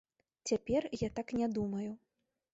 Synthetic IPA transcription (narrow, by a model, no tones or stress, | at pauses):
t͡sʲapʲɛrjat̪aknʲɛd̪umɐju